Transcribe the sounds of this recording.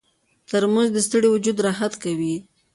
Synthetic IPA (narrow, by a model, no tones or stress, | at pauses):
t̪əɾmazd̪əst̪əɽewʊd͡ʒud̪ɾɑɦat̪kawi